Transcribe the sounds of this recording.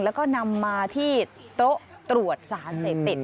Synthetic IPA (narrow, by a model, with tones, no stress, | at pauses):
lɛː˦˥wkɔː˥˩na˧mːaː˧t̪ʰiː˥˩t̪ɾo˦˥ʔ | t̪ɾu˨˩ət̪̚saː˩˦nseː˨˩p̚t̪i˨˩t̪̚